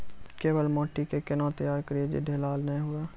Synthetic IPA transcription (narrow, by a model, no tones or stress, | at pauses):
keːʋəlmɔːʈikekɪnɔ̃ːt̪ɐjaːɾkɐɾied͡ʒḛɖʱelaːlnɐĩɦuaː